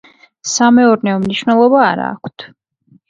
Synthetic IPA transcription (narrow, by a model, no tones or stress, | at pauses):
samɛɔɾnɛɔmniʃwnɛlˠɔbaːɾa̰ːkʷʰt̪ʰ